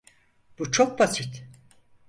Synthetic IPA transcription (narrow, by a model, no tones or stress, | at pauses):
b̥ut͡ʃʰok̚basit̪